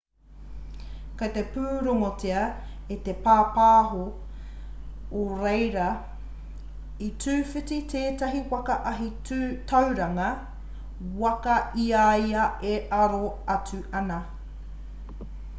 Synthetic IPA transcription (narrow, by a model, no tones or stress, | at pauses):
kɐt̪epʉːɾoŋoteɐet̪epaːpaːɦo | oɾejɾɐ | itʉːfititʰeːtɐɦiwɐkɐʔɐɦi | tʰɐwɾɐŋɐ | wɐkɐiajɐeʔɐɾoɐt͡sʉʔɐnɐ